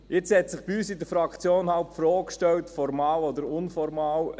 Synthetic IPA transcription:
jɪt͡shɛt̪sɪχb̥iyːsidəfɾɑkt͡sjoːnhɑlpfɾoːkkʃtɛwtfɔɾmɑːlɔdəɾʊnfɔɾmɑːw

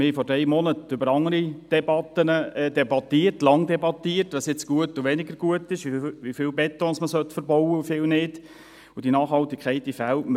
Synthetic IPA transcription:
mɪhɛfɔɾdɛɪjmɔnətʏbəɾɑŋəɾid̥ɛbɑtːənəɛdɛbɑt̪iːərtlɑŋdɛbɑt̪iərtʋɑsjɪt͡sɡ̥uətːuʋɛnɪɡəɾɡ̥uətɪʃiʋifɪlbɛtːɔ̃nsməsœt̪fəɾbɔwəufɪːlnɪd | ʊdinɑːχhɑltːɪkʰχɛɪtifæltm

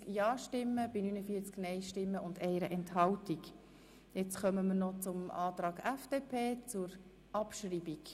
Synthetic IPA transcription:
kjɑːʃtɪmːəb̥inyːnəfiːət͡sknɛɪʃtɪmːəʊndɛɪɾəʔɛnthɑltik | jɛt͡sχœməməɾnɔt͡sʊmɑːtɾɑːɡæfd̥eːpʰeːt͡sʊɾ | ʔɑpʃriːbik

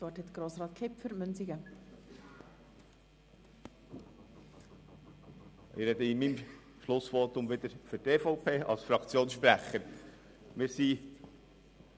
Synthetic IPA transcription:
ʋɑːtɛt̪ɡ̥ɾoːsɾɑːt̪̚kʰɪpfyɾmœnsiɡə | ʔɪɾɛd̪əimim | ʃlʊsʋɔtʊmʋɪd̪əɾføteːfɔʊpʰeːʔɑ̰lsfɾɑkt͡sjoːnsʃpɾæχəɾ | mɪːɾsi

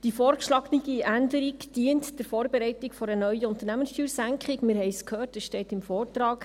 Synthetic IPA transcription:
d̥ifɔːrkʃlɑɡniɡiʔændəɾikd̥iəntd̥ɪɾfoːɾbɛɾɛɪtɪkfɔɾənœɥəʊnt̪ərnæmənstyːɾsæŋkχɪɡmɪɾhɛɪskhøːrtɛsʃtɛːtɪmfɔːrtɾɑːk

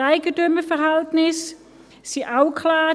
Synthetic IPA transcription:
aɪɡədøməfɛʁɦaltnɪs | siʔaʊkʰlaː

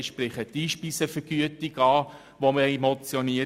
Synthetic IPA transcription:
ʃpɾɪχətiːʃpisəfəɾɡ̥yətiɡɑː | ʋoməemɔt͡sjɔniə

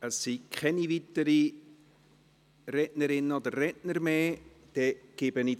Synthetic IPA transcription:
əsːikʰχɛnivitːəɾi | rɛʔnəɾɪnːəod̪ərːɛtnəɾmeː | d̪̥ɛɡ̥ɪbəni

